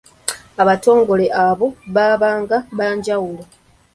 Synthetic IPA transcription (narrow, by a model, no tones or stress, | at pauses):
aβato̞ːŋɡo̞le̞ʔaβo̞βaːβaːŋɡaβaːɲɟawulo